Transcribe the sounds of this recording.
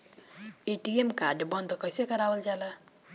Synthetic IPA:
itiɡemkadɪbɔnt̪ɔkɔsekaɾawɔlt͡ʃala

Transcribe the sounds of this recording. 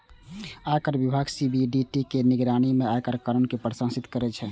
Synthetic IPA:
ajkəɾbibʱaɡsibiɖiʈikeniɡɾanimeajkəɾkaɾənkepɾəsãnsit̪kəɾɛt͡ʃʰɛ

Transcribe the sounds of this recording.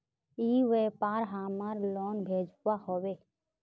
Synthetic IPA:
iːʋeːpaːɾɦaːmaɾlɔːnbʱeːd͡ʒwahoːweː

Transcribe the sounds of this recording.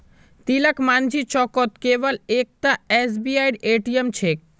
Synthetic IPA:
t̪ilakmand͡ʑʱit͡ɕɔkot̪kebalek̚t̪aesbiajɖeʈiemt͡ɕʰek̚

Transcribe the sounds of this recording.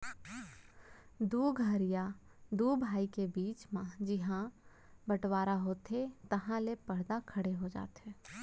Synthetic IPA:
d̪uːɡʱəɾija | d̪uːbʱaːikebiːt͡ʃmãd͡ʒɪɦã | bəʈwaːɾaɦoːt̪et̪əɦãlepɐɽd̪akʰɐɽeɦod͡ʒa̰ːt̪ɦɛː

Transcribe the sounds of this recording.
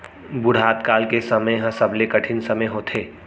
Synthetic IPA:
bʊɽ̤ɦaːt̪kaːlkesɐməɦɐ̃sɐblekɐʈʰɪnsɐməjɦot̪ʰeː

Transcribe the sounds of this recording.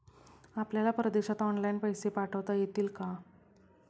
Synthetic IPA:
apljalapɾəd̪eɕat̪ɔnlainpəjsepaʈʰəʋt̪ajet̪iːlka

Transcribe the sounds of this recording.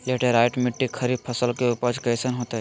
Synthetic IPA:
leʈeɾajʈmɪʈːikʰɐɾipʰɐsəlkeupəd͡ʒkɐjsənɦoːt̪ɦɛ

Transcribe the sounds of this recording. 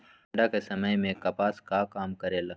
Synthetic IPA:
ɖakesɐməjmẽkɐpaːskakaːmkɐɾeːlɐ

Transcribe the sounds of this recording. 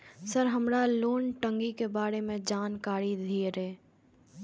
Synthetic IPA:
səɾɦəmɾaloːnʈə̃ŋɡikebaːɾemẽd͡ʒaːnkaːɾid̪ʱieɾeː

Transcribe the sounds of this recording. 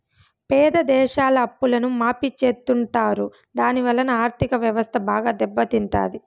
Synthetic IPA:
pɛːd̪ɐd̪ɛːʃaːlɐːpːulɐnumaːpit͡ʃːeːt̪ːuɳʈaːɾu | d̪aːniʋɐlːɐnɐaːɾt̪ʰikɐʋjɐʋɐst̪ʰɐbaːɡaːd̪ɛbːɐt̪iɳʈa̰ːd̪i

